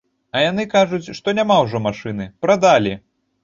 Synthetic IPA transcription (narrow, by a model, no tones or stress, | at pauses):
ɐjan̪ɨkaʐut͡sʲʂt̪ɔnʲamawʐɔmaʂɨnɨpɾad̪alʲi